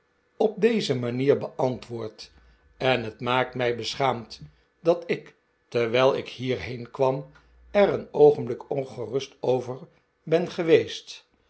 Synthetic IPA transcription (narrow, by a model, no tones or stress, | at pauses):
ɔb̚dejzəmaniːɹbəʔɑntʋʊːɹt | ɛnɦətmaːk̚tmɛjbəsχaːmt | dɑtɪk | tɛɹʋɛlˠɪkhiːɹɦejnkʋɑm | ɛɾənowχəmblɪkɔnχərɵstowvəɹ | bɛnχəʋejst